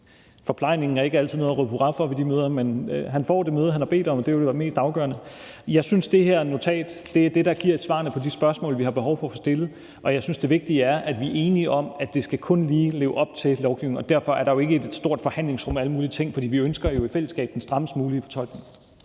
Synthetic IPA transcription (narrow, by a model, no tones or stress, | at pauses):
fɒ̽pʰlɑ̈ɪ̰ne̝ŋn̩æɐe̝ɡ̥əæl̰t͡sʰiðˠnoːð̩ˠʁøpʰuʁɑfɒʋid̥imøːð̞ˠɐmenɦænfɒ̰ːd̥e̝møːð̞ˠhænhɑ̈b̥e̝̰ːd̥ɒ̽md̥e̝oɾe̝ʋæme̝̰ːsd̥ɑ̈ʊɡ̥ɶ̰ɐnə | jɑ̈ɪsynsd̥e̝ɦeɐnot͡sʰɛ̰ːd̥d̥e̝æɐd̥e̝ɾɑ̈ɡ̥iɐ̰ed̥sʋɑ̈nəpʰɒ̽d̥isb̥ɶɐsmɔ̰̽ːlʋihɑ̈b̥e̝ɦɒʊfɒ̽fɒ̽sd̥e̝lð̩ˠ | ʔɒ̽jɑ̈ɪsynsd̥e̝ʋe̝ɡ̥̚d̥iəæɐʔæd̥ʋiʔe̝ːniʔɒ̽mæd̥e̝sɡ̥ækʰɔ̽nliːle̝ːʊʔɒ̽b̥̚t͡sʰe̝lɒʊɡ̥iʊ̰enɒ̽d̥æɐ̰fɒ̽æɐɾ̥ɑ̈jo̝e̝ɡ̥əe̝d̥sd̥o̝ɐ̰d̥fɒ̽hæn̰le̝ŋsʁɔ̽mæləmuːliət͡sʰe̝ŋ̰fɒd̥ḭːʋiønsɡ̥ɐjo̝ifel̰əsɡ̥ɛ̰ːb̥d̥ensd̥ʁɑ̈məsd̥muːliːfɒ̽t͡sʰɒ̽l̰ɡ̥neŋ